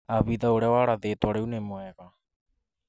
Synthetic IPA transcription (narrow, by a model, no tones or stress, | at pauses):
aβiðaoɾɛwaɾaðetwaɾeunemwɛɣa